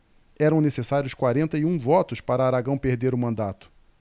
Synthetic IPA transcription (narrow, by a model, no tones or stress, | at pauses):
ɛɾɐ̃w̃nesesaɾjʊskwaɾẽnt̪ɐiũvɔt̪ʊspaɾɐaɾaɡɐ̃w̃pehd̪eɾʊmɐ̃nd̪at̪ʊ̥